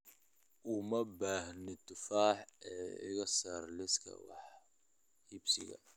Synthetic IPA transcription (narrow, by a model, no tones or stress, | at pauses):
ʔʊmɐbaːhnɪt̪ʰʊfaːħɛːɪ̰ɣɐsaːrlɪskʰɐ̰wɑ̰ħ | hɪbsɪ̰ɣɐ̰